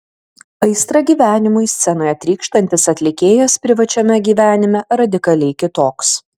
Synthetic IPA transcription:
ɐɪst̪ɾɐɡʲiːʋʲæːnʲɪmʊɪsʲt̪sʲɛnɐɪɐt̪ʲɾʲiːkʃt̪ɐnʲt̪ʲɪsɐt̪ʲlʲɪkʲeːjɛspʲɾʲɪʋɐt͡ʃʲɛmʲɛɡʲiːʋʲæːnʲɪmʲɛɾɐd̪ʲɪkɐlʲɛɪkʲɪt̪oːks

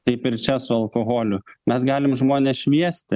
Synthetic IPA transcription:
t̪ɐɪpɪɾt͡ʃʲɛsʊɐlˠkoːɣoːlʲʊmʲɛsɡɑːlʲɪmʒmoːnʲeːsʃʲʋʲiɛsʲt̪ʲɪ

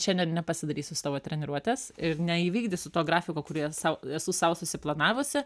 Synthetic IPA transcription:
ʃʲɛnd̪ʲɛnnʲɛpɐsʲɪd̪ɐɾʲiːsʲʊst̪ɑːʋoːt̪ʲɾʲɛnʲɪɾuɔt̪ʲɛsɪɾnʲɛiːʋʲiːɡd̪ʲɪsʊt̪oːɡɾɑːfʲɪkoːkʊɾʲiɛsɐʊɛsuːsɐʊsʊsʲɪplˠɐnɑːʋʊsʲɪ

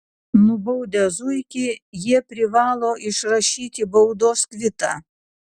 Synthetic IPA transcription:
nʊbɔʊd̪ʲɛzʊɪkʲɪjiɛpʲɾʲɪʋɑːlˠoːʔɪʃɾɐʃʲiːt̪ʲɪbɐʊd̪oːskʋʲɪt̪ɑː

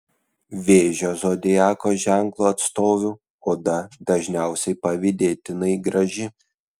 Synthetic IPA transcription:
ʋʲeːʒʲoːzoːd̪ʲɪjæːkoːʒʲæŋklˠoːɐt̪st̪oːʋʲuː | oːd̪ɐd̪ɐʒʲnʲæˑʊsʲɛɪpɐʋʲɪd̪ʲeːt̪ʲɪnɐɪɡɾɐʒʲɪ

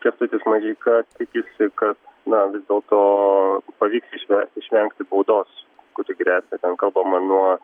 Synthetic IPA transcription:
kʲɛst̪ʊt̪ʲɪsmɐʒʲiːkɐt̪ʲɪkʲɪsʲɪkɐt̪nɐʋʲɪzd̪ʲeːlˠt̪oːpɐʋʲiːksɪʃʲʋʲɛɪʃʲʋʲɛŋkt̪ʲɪbɐʊd̪oːskʊt̪ʲɪɡɾʲæːsʲnʲɛt̪ʲɛnkɐlˠbɐmɐnuɔ

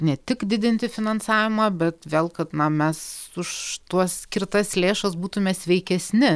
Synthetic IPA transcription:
nʲɛt̪ʲɪkd̪ʲɪd̪ʲɪnʲt̪ʲɪfʲɪnɐnsɑːʋʲɪmɑbʲɛt̪ʋʲeːlˠkɐt̪nɐmʲɛsʊʃt̪uɔssʲkʲɪrt̪ɐslʲeːʃɐsbuːt̪ʊmʲɛsʲʋʲɛɪkʲɛsʲnʲɪ

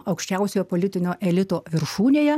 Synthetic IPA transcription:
ɐʊkʃʲt͡ʃʲɛʊsʲoːjɛpoːlʲɪt̪ʲɪnʲoːʔɛlʲɪt̪oːʋʲɪɾʃuːnʲeːjɛ

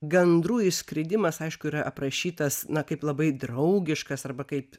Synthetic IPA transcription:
ɡʲɛnd̪ɾuːjɪsʲkɾʲɪd̪ʲɪmɐsɐɪʃkʊiːɾɐʔɐpɾɐʃʲiːt̪ɐsnɐkɐɪplˠɐbɐɪd̪ɾɐʊɡʲɪʃkɐsɐrbɐkɐɪp

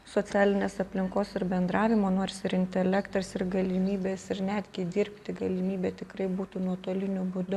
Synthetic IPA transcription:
soːsʲæːlʲɪnʲeːsɐpʲlʲɪŋkoːsɪɾbʲɛnd̪ɾɑːʋʲɪmoːnoːɾʲsʲɪɾɪnʲt̪ʲɛlʲɛkt̪ɐsɪɾɡɐlʲɪmʲiːbʲeːsɪɾnʲæd̪ʲɡʲɪd̪ʲɪːɾʲpʲt̪ʲɪɡɐlʲɪmʲiːbʲeːt̪ʲɪkɾɐɪbuːt̪uːnuɔt̪oɔlʲɪnʲʊbʊd̪ʊ

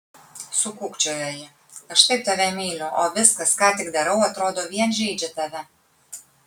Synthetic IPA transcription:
sʊkʊkt͡ʃʲoːjoːjɪ | ɐʃt̪ɐɪp̚t̪ɐʋʲɛmʲɛɪnʲʊʔoːʋʲɪskɐskɑːt̪ʲɪɡd̪ɐɾɐʊɐt̪ɾoːd̪oːʋʲiɛnʒʲɛɪd͡ʒʲɛt̪ɐʋʲɛ

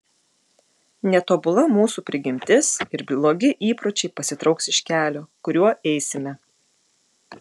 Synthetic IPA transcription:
nʲɛt̪oːbʊlˠɐmuːsuːpʲɾʲɪɡʲɪmʲt̪ʲɪsɪɾbʲlˠoːɡʲɪʔiːpɾɔːt͡ʃʲɛɪpɐsʲɪt̪ɾɒʊksɪʃʲkʲæːlʲoːkʊɾʲuɔɛɪsʲɪmʲɛ

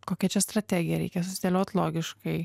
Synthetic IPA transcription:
koːkʲɛt͡ʃʲɛst̪ɾɐt̪ʲæːɡʲɪjɛɾʲɛ̰ɪkʲɛsʊsʲɪd̪ʲelʲoːt̪ʲlˠoːɡʲɪʃkɐɪ

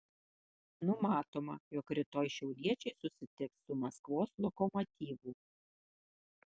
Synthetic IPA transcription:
nʊmɑːt̪oːmɐjɔkɾʲɪt̪oːjʃʲɛʊlʲiɛt͡ʃʲɛɪsʊsʲɪt̪ʲɪksʊmɐskʋoːslˠɔkɔmɔt̪ʲiːʋuː

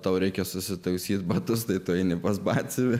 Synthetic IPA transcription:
t̪ɐʊɾʲɛɪkʲɛsʊsʲɪt̪ɐʊsʲiːt̪bɐt̪ʊst̪ɐɪt̪ʊɛɪnʲɪpɐsbɑːsʲɪʋʲɪ

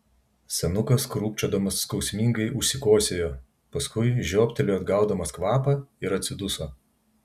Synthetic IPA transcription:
sʲɛnʊkɐskɾuːpʲt͡ʃʲoːd̪ɐmɐsːkɒʊsʲmʲiŋɡɐɪʔʊʃʲsʲɪkoːsʲeːjoː | pɐskʊɪʒʲoːpʲt̪ʲɛlʲʊɐd̪ɡɑˑʊd̪ɐmɐskʋɑːpɐɪɾɐt̪ʲsʲɪd̪ʊso

